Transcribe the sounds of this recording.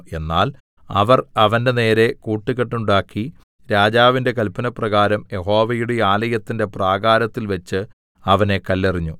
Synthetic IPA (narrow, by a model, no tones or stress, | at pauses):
e̞nːaːl | ɐ̰ʋɐrɐʋɐnde̞ne̞ːɾe̞kuːʈːiɣeʈːuɳɖaːkːi | ɾaːd͡ʑaːʋinde̞kɐlpɐnɐprɐɣaːɾɐmje̞ɦo̞ːʋɐjuɽe̞aːlɐjɐt̪ːinde̞praːɡaːɾɐt̪ːilʋɐt͡ɕːɨ | ɐʋɐne̞kɐlːɐriɲːu